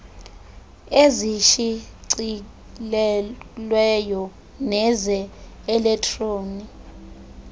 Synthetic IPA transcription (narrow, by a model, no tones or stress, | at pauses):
eziʃiǀi | lɛlwɛjɔ | nɛzɛ | ɛlɛktʰʼroːni